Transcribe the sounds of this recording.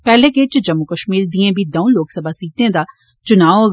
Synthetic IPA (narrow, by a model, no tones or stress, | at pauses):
pɛːlẽːkeːt͡ʃd͡ʒəmːʊkəʃmiːɾd̪iẽːbʱiːd̪ɐũloːksəbʱaːsiːʈ̪ẽːd̪aː | t͡ʃʊnaːo